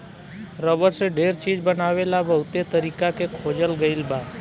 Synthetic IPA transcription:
ɾəbəɾseɖeɾt͡ʃid͡ʒbənaʋelabəɦut̪et̪əɾikakekʰod͡ʒəlɡəilbad̪

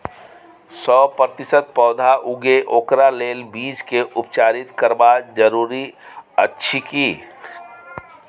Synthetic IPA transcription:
sɔːpɾət̪ɪsət̪̚pɔːd̪ʱaʔʊɡeʔoːkɾaleːlbiːd͡ʒkeʔʊpt͡ʃaːɾɪt̪kəɾbad͡ʒəɾuːɾiə̰tːʃʰikiː

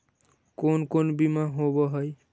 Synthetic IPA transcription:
konkonbimaɦobɔɦʌj

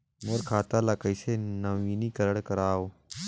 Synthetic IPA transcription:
moɾkʰaːt̪alakəisenəʋiːnikəɾəɽkəɾaːoː

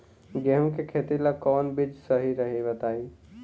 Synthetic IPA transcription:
ɡɛɦmkekʰeːt̪ilakɔːnbɪd͡ʒsəɦiɾəɦeʋət̪aːiː

